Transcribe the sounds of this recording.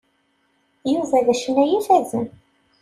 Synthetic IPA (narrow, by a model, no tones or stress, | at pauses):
juvæðæʃənːæjiθæzən